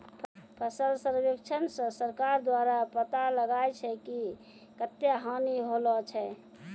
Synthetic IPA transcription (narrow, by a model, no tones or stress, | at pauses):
pʰəsəlsəɾbekt͡ʃʰənsə̃səɾkaɾd̪waɾapət̪aləɡaet͡ʃʰɛki | kət̪jaɦaniɦolɔt͡ʃʰɛ